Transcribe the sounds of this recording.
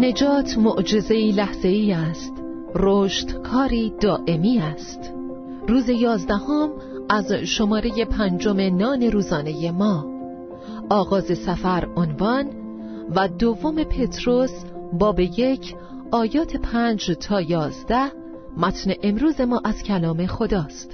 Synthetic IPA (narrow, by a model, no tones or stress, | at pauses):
ne̞d͡ʒɒːt̪ʰmoʔd͡ʒe̞ze̞iːlæhz̥e̞iːæst̪ | roʃt̪kʰɒːɾiːd̪ɒːʔe̞miːæst̪ | ruːze̞jɒːzd̪æhom | æzʃo̞mɒːɾe̞je̞pʰænd͡ʒome̞nɒːne̞ɾuːzɒːne̞je̞mɒː | ʔɒːɣɒːze̞sæfæɾonvɒn | væd̪ovːome̞pʰe̞t̪ʰɾos | bɒːbe̞jecʰ | ɒːjɒːt̪ʰe̞pʰænd͡ʒt̪ʰɒːjɒːzd̪æh | mæt̪ʰneʔemɾuːze̞mɒːʔæz̥cʰælɒːme̞xo̞d̪ɒːst̪